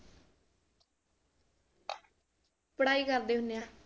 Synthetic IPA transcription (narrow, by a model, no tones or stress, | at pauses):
pəɽaːikəɾd̪eːɦʊnːjaː